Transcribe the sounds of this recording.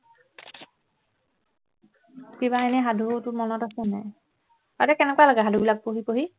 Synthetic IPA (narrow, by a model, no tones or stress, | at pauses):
kibaanɛɦadʱutʊmɔnɔtasɛnɛ̰ | tatɛkɛnɛkwalɔɡɛɦadʱubilak̚poɦipoɦi